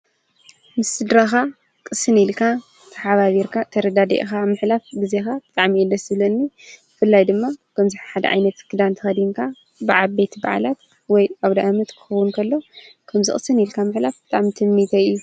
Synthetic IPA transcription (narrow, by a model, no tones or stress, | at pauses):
mɨsɨd̪ɾaxa | kʼɨsɨnilkʰa | t̪ʰɐħaβaβiɾkʰat̪ʰɐɾɐd̪ad̪ɐ̰ʔxamɨħlafbɨzexabɨt̪ʼaʕmilːɐsɨlɐnːibɨfɨlːajd̪ɨmːakʰɐmzɨħaħad̪ɐ̰ʕa̰jnɐt̪kʰɨd̪ant̪ʰɨxɐd̪iŋkʰa | bɨʕalbet̪ʰba̰ʕa̰lat̪̚ | wɔjaβd̪ɐʔamɐt̪kʰɨ̥xɐwʊnkʰɐlːo̞kʰɐmzɨ̰χʼɨsɨnilkʰamɨħlafbɨt̪ʼaʕmit̪ʰɨmːit̪ʰɐɨjːu